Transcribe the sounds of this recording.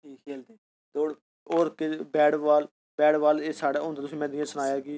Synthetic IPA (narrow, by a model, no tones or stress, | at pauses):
iːkʰeːld̪eː | t̪ːoːɽ | oːɾkɪbɛːɽʋaːl | bɛːɽʋaːleːsaːɽaːɦõːnd̪aːt̪ʊs̬ĩːmɛ̃ːd̪ɪjãsʊñaːjaːkɪ